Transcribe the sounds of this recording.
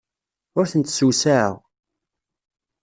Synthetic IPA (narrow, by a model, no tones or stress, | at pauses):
ʊɾθənt̪suwsæə̰ʁ